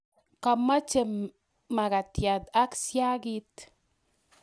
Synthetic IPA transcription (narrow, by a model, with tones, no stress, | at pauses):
ka˨ma˦t͡ʃe˨m | mːa˨ka˨tja˨ta˦ksja˦ɡi˦t